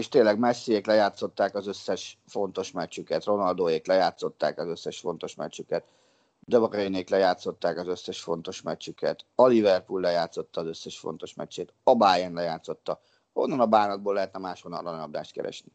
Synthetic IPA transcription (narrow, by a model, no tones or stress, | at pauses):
eːʃt̪eːnlːɛɡmɛsːijeːklɛjaːt̪so̞t̪ːaːkɒzø̞sːɛʃfo̞nt̪o̞ʃmɛt͡ʃːykɛt̪ro̞nɒld̪oːjeːklɛjaːt̪so̞t̪ːa̰ːkɒzø̞sːɛʃfo̞n̪t̪o̞ʃmɛ̰t͡ʃːykɛt̪ | d̪øbɒkɛineːklɛjaːt̪so̞t̪ːaːkɒzø̞sːɛʃfo̞nt̪o̞ʃmɛt͡ʃːykɛt̪olivɛrpulːɛjaːt̪sot̪ːɒːzøsːɛʃfo̰nt̪o̞ʃmɛ̰t͡ʃːeːt̪ɒbaːjɛnlɛjaːt̪so̞t̪ːɒ | o̞̰nːɒnɒbaːnɒd̪̚boːlɛɦɛt̪nɛmaːʃhonɒlːɒnnɒbd̪a̰ːʃt̪̚kɛ̰ɾɛ̰ʃni